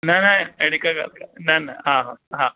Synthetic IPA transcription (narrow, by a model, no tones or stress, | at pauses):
nanajeɽikaɡa̰lkananaɦãɦãɦa